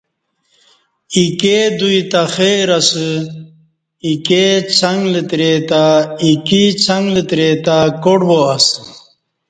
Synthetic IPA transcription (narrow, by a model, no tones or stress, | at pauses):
iked̪uit̪axeɾasɨ | iket͡sʰɐŋɡlət̪ɾet̪aikit͡sʰɐŋɡlət̪ɾet̪akoɽboɐs